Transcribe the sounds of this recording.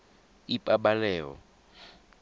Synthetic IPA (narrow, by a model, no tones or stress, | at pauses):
ipʼaɓalɛːɔ̰